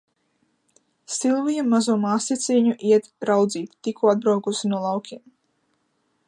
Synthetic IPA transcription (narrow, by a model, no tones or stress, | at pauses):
silˠvijamːazuɔmaːsit̪sʲiɲuʔiɛt̪ɾawd̪ziːt̪ːikuad̪̚bɾawkusinuɔlˠawkʲim